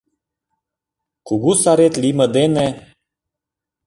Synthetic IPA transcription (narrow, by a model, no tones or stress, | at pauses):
kuɡusaɾet̪liməd̪ene